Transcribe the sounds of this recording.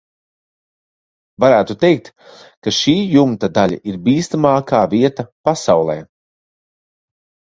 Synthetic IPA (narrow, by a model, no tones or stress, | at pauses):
vaɾæːt̪ut̪ɛjk̚t̪ | kaʃiːjumt̪ad̪alʲa̰ʔiɾbiːst̪amaːkaːviɛt̪apasawlˠɛː